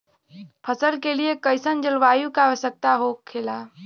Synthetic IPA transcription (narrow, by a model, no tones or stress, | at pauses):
pʰəsəlkeliekəɪsənd͡ʒəlʋaːjũkaʋəsək̚t̪aɦokkʰːela